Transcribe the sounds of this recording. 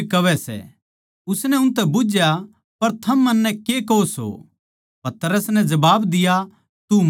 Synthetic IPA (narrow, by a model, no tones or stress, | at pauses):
kɐʋɛsɛ̰ | ʊsnɛʊnt̪̬ɛbʊd͡ʒja | pɐɾt̪ʰɐmːɐnːɛkekooso̰ | pɐt̪əɾəsnɛd͡ʒɐbaːbd̪ɪja | t̪u